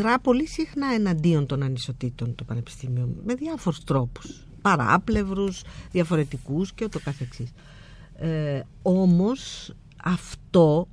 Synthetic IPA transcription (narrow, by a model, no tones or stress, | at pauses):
ɾɐpo̞lisixnɐe̞nɐnd̪io̞nt̪o̞nɐniso̞t̪it̪o̞nt̪o̞pɐne̞pi̥st̪imiome̞ðiɐfo̞ɾust̪ɾo̞pu̥s | pɐɾɐ̰ple̞vɾusðjɐfo̞ɾe̞t̪ikusceot̪okɐθe̞ksis | o̞mo̞s | ɐft̪o̞